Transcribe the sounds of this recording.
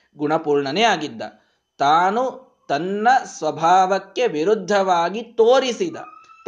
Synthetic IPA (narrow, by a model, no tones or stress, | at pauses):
ɡuɳɐpuːɾɳɐnejaːɡid̪ːɐ̰ | t̪aːnu | t̪ɐnːɐsʋɐbʱaːʋɐkːe̞ʋiɾud̪ʱːɐʋaːɡit̪oːɾisid̪ɐ̰